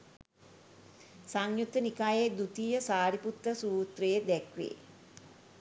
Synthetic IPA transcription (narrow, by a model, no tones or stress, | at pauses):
saŋjut̪ːənikaːjed̪ut̪ijəsaːɾiput̪ɾəsuːt̪rejed̪ɛkʋḛː